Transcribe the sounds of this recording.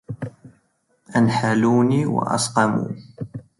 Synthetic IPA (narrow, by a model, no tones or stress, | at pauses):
ʔanħaluːniːwa̰ʔɑ̰sqɑmṵː